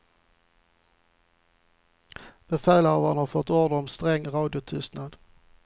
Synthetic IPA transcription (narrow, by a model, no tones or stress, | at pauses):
b̥ɛfæːləvanhɑɾfɔt̪ːɔːdəɔmst̪ɾɛŋːɾɑːd̪ɪʊt̪ʰʏst̪nad̪̥